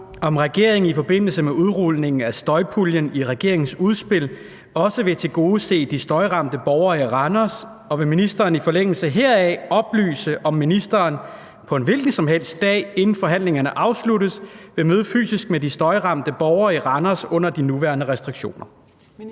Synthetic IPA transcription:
ɒ̽mʁɛɡ̥e̝ɐ̰e̝ŋ̩ifɒ̽b̥e̝n̰l̩səmeuð̞ˠʁuð̰ˠne̝ŋn̩æsd̥ɒ̽ɪpʰuljəniʁɛɡ̥e̝ɐe̝ŋn̩suð̞ˠsb̥e̝l̰ | ɒ̽səʋe̝t͡sʰe̝ɡ̥o̝ːð̩ˠse̝̰ːd̥isd̥ɒ̽ɪʁɑ̈m̰d̥əb̥ɒʊɐʁɑnɐs | ɒ̽ʋe̝minisd̥ɐːnifɒ̽leŋ̰l̩səɦeɐ̰ɛɒ̽b̥ly̰ːsəʔɒ̽mːinisd̥ɐːn | pʰɒ̽e̝nʋe̝lɡ̥n̩sɒ̽mɦel̰sd̥d̥ɛ̰ːe̝nn̩fɒ̽ɦæn̰le̝ŋɐnəʔɑ̈ʊsluɾð̩ˠsʋe̝møːðˠəfy̰ːsisɡ̥̚medisd̥ɒ̽ɪʁɑ̈m̰d̥əb̥ɒʊɐːiʁɑnɐsɔ̽n̰ɐd̥inuʋæɐnəʁɛsd̥ʁiɡ̥ɕo̝̰ːnɐ

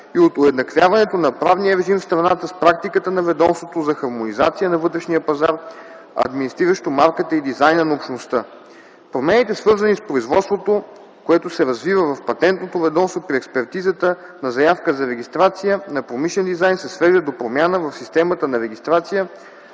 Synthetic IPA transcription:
iot̪ʊɛd̪nɐkvʲjavɐnɛt̪onɐpɾavniəɾɛʒimfst̪ɾɐnat̪əspɾak̚t̪ikət̪ənɐvɛd̪ɔmst̪vot̪ozɐxɐɾmonizat̪sijənɐvɤt̪ɾɛʃnijəpɐzaɾ | ɐ̰d̪minist̪ɾiɾəʃt̪omaɾkət̪əid̪izajnənɐopʃnost̪ə | pɾomɛnit̪ɛsvɤɾzənispɾoizvɔt̪st̪vot̪o | koɛt̪osɛɾɐzvivəvɐfpɐt̪ɛnt̪not̪ovɛd̪ɔmst̪vopɾiɛkspɛɾt̪izət̪ə | nɐzɐjafkəzɐɾɛɡ̟ist̪ɾat̪sijənɐpɾomiʃlɛnd̪izajnsɛsvɛʒd̪əd̪opɾomʲjanəvɐfsist̪ɛmət̪ənɐɾɛɡ̟ʲist̪ɾat̪sijə

